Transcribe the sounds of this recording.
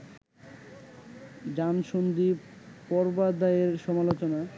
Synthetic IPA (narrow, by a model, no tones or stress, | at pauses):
d͡ʑanʃond̪i | pɔɾbad̪aeɾʃɔmalot͡ɕona